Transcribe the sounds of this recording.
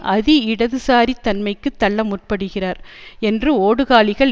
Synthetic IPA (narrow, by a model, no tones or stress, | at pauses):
ʔɐðɪɪɽɐðɯsaːɾit̪ːɐnmɐɪkːɯt̪ːɐɭːɐmʊr̚pɐɽɯɣɪraːɾɛndrɯoːɽɯɣaːɭɪɣɐɭ